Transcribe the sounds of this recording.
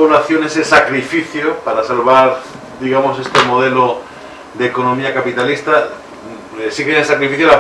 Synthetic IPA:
olaθjo̞nesesakɾifiθjopaɾasalβaɾ | d̪iɣamo̞se̞st̪e̞mo̞ð̞e̞lo | d̪eko̞nomiakapit̪alist̪a | siɣesesakɾifiθjola

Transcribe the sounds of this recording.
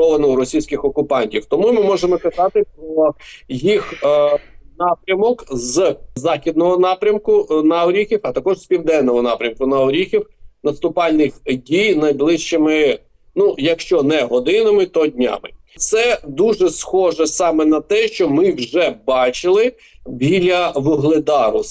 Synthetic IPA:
ɔʋɐnɔwɾɔsʲijsʲkɪxɔkʊpɑnʲtʲiwt̪ɔmumɪmɔʒemɔkɐzɑt̪ɪpɾɔjix | nɑpɾʲɐmɔkzzɑxʲid̪nɔɦɔnɑpɾʲɐmkʊnɐɔɾʲixʲiwɐt̪ɐkɔʒspʲiwd̪ɛnːɔɦɔnɑpɾʲɐmkʊnɐɔɾʲixʲiwnɐst̪ʊpɑlʲnɪxdʲijnɐjblˠɪʃt͡ʃɪmɪ | nujɐkʃt͡ʃɔnɛɦɔd̪ɪnɐmɪt̪ɔdʲnʲɑ̰mɪ̰ | t̪sɛd̪uʒɛsxɔʒɛsɑmɛnɐt̪ɛʃt͡ʃɔmɪwʒɛbɑt͡ʃɪlˠɪ | bʲilʲɐʋʊɦlˠɪd̪ɑɾʊ

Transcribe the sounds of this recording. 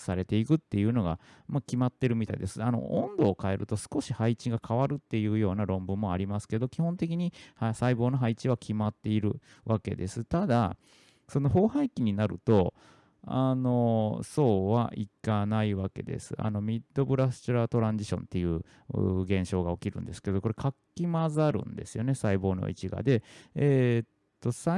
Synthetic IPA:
saɾe̞t̪e̞ikɯ̟t̪ːe̞jɯ̟ːno̞ɡamakʲimat̪ːe̞ɾɯ̟mʲit̪a̰ḭd̪esɨano̞̰õnd̪o̞ːkae̞ɾɯ̟t̪o̞sɨ̥ko̞ɕihait͡ɕiɡakʰaβaɾɯ̟t̪ːe̞jɯ̟ːjo̞ːnaɾõ̞mbɯ̟̃mːoaɾʲimasɨ̥ke̞d̪o̞kʲihõ̞nt̪e̞k̬ʲiɲ̟ihasaibo̞ːnoɦait͡ɕiβakʲʰimat̪ːe̞iɾɯ̟ | βake̞̰d̪e̞sɨt̪ad̪a | so̞no̞ɦo̞ːhaikʲiɲ̟inaɾɯ̟̰t̪o̞ | a̰no̞so̞ːβa̰ʔikanaiβake̞̰d̪e̞̰sɨa̰no̞mʲid̪ːo̞bɯ̟ɾast͡ɕɯɾat̪o̞ɾãɲd͡ʑiɕõ̞̰nt̪ːe̞jɯ̟ː | ɡẽ̞ɰ̃ɕo̞ːɡao̞kʲiɾɯ̟̰̃nd̪e̞sɨ̥ke̞d̪o̞koɾekʰakʲːimazaɾɯ̟̰̃nd̪e̞sɨjo̞ne̞saibo̞ːno̞̰ḭt͡ɕiɡa̰d̪e̞eːtt̪ːo̞sa

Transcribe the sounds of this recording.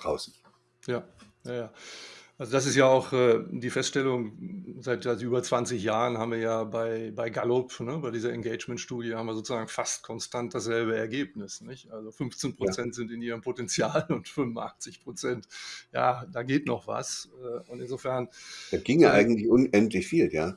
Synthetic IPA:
ʁaʊsɪç | jaː | jajaːʔalzodas̬ɪstjaːaʊxʔɛːdiːfɛstʃtɛlʊŋzaɪtjatʔyːbɐt͡sv̥ant͡sɪçjaːʁənɦaːbmviːɐjaːbaɪbaɪɡalopnəbaɪdiːzɐɛnɡeɪt͡ʃmɛntʃtuːdjəhaːmviːɐzoːt͡suzaːɡŋ̩fastkʰɔnstant̚d̥asz̥ɛlbəɛɐɡeːpnɪsnɪçʔalzofʏnft͡senpʁ̥ot͡sɛntz̥ɪntɪniːʁ̞əmpʰotɛnt͡sjaːlʊntfʏnvnʔa̰χt͡sɪçpʁ̥ot͡sɛntja̰ːdaːɡeːtnɔχv̥a̰sɛːʊntɪnzoːfɛɐnd̥aɡ̥ɪŋjaʔaɪɡŋ̩tlɪçʔʊnʔɛntlɪçfiːljaː

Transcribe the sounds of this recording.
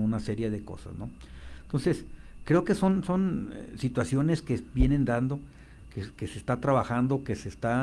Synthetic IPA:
unase̞ɾjeðe̞ko̞̰sa̰zno̞ | ent̪o̞nse̞skɾe̞oke̞so̞nso̞nsit̪wasjo̞ne̞skebje̞ne̞nd̪and̪o̞ | kekesest̪at̪ɾaβaxand̪oke̞sest̪a

